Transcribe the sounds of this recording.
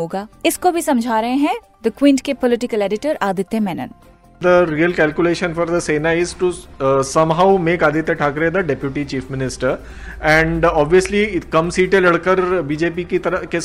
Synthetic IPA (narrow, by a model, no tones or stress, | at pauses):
oːɡaːɪskobʱisɐ̃md͡ʒʱaːɾɐɦẽɦɛ̃ | d̪əkwɪ̃ːɳɖkepɔlɪʈɪkəleːɖɪʈəɾaːd̪ɪt̪ːemɛːnə̰n | d̪əɾiːəlkɛːlkjuleːʃə̃nfɔɾd̪əseːnaɪzʈusɐmɦaʊmẽːkaːd̪ɪt̪ːeʈʰaːkɾed̪əɖɛpjuʈit͡ʃiːfmɪnɪsʈəɾ | ɛ̃ɳɖɔːbʋiəslikɐmsiːʈelɐɽkəɾbiːd͡ʒeːpikit̪ɐɾəke